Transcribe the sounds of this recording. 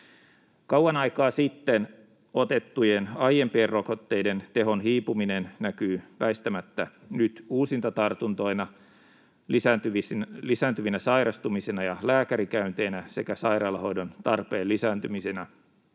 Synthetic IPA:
kɑwɑnɑikɑːsit̪ːen | ot̪e̞t̪ːujenɑjempieːrrokot̪ːe̞ide̞nt̪eɦo̞nɦiːpuminennækyːpæist̪æmæt̪ːænyt̪uːsint̪ɑt̪ɑrt̪unt̪o̞inɑ | læt̪yʋlisæːnt̪yʋinæsɑiɾɑst̪umisenɑjɑlæːkæɾikæynt̪e̞ːnæse̞̰kæsɑjrɑːlɑɦo̞idont̪ɑrpeːlːisæːnt̪ymisenæ

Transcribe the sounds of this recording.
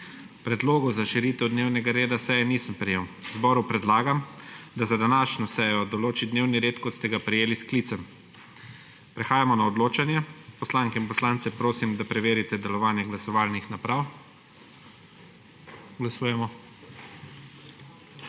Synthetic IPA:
pɾɛd̪loːɡɔzaʃiɾiːt̪ɛwd̪neːwnɛɡaɾeːd̪asɛjɛniːsəmpɾɛjewwzbɔːɾupɾɛd̪laːɡamd̪azad̪anaːʃnɔsɛjɔd̪ɔloːt͡ʃid̪neːwniɾeːt̪kɔt̪st̪ɛɡapɾɛjeːliskliːt̪sɛm | pɾɛxaːjamɔnaɔd̪loːt͡ʃanjɛpɔslaŋkɛinpɔslaːnt̪sɛpɾoːsimd̪apɾɛʋeːɾit̪ɛd̪ɛlɔʋaːnjɛɡlasɔʋaːlnixnapɾaw | ɡlasuːjɛmɔ

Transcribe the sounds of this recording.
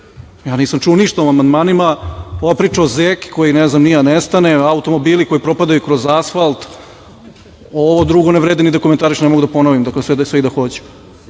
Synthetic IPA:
jaːniːsamt͡ʃuoniʃt̪aomamand̪maːnimao̞ʋapɾiːt͡ʂaozeki̥ko̞jinɛznamnianɛst̪aneaut̪o̞mo̞biːliko̞ipɾo̞pad̪ajukɾozasfalˠt̪ | oʋod̪ɾuɡoneʋɾeːd̪inid̪akoment̪aːɾiʃnɛmoɡud̪aponoʋimd̪aklesɛsʋeid̪axot͡ɕɛ̥

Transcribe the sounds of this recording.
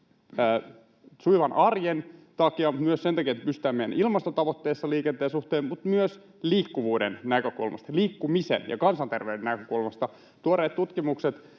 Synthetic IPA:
əː | suiʋɑnʔɑrjent̪ɑkiɑmut̪myøssent̪ɑkiɑet̪ːpyst̪æːmejæ̰nʔilmɑst̪ot̪ɑʋot̪ːeːsːɑliːkent̪eːsuht̪eːmmut̪myøs | liːkːuʋuːdennækøkṵlmɑ̰st̪ɑliːkːumisḛnjɑ̰kɑnsɑnt̪erʋeɥdenækøkulmɑst̪ɑ | t̪uoɾeːt̪t̪ut̪kimukset̪

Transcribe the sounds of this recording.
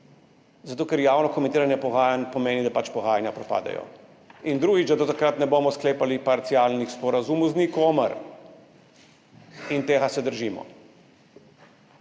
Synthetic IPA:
zat̪oːkɛɾjaːwnɔkɔmɛ̃nt̪iːɾanjɛpɔɣaːjanʲpɔmeːnid̪apat͡ʃpɔɣaːjanjapɾɔpa̰ːd̪ɛ̰jɔ̰ | ind̪ɾuːɡid͡ʒd̪ad̪ɔt̪akɾat̪nɛboːmɔskleːpalipaɾt̪siaːlnixspɔɾazumuznikoːməɾ | int̪eːɣasɛd̪əɾʒiːmɔ̰

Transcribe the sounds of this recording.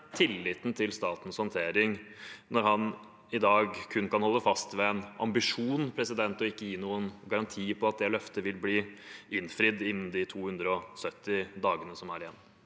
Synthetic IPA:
t̪ʰɪlːɪt̪n̩t̪ʰɪlst̪ɑːt̪n̩shɔnt̪ʰeːɾɪŋnɔɾɦɑn | ɪd̪ɑːɡkʰʉnkɑnhɔlːəfɑst̪ʋɛɛnɑ̰mbɪʂuːnpʰɾɛsɪd̪ɛnt̪ɔɪkːəjiːnuːənɡɑɾɑnt̪ʰiːpʰɔɑt̪̚d̪ɛlœft̪əʋɪlbliːɪnfɾɪd̪ːɪnːm̩d̪ɪt̪ʰuːhʉnd̪ɾəɔsœt̪ːɪd̪ɑːɡənəsɔmæɾɪjɛnː

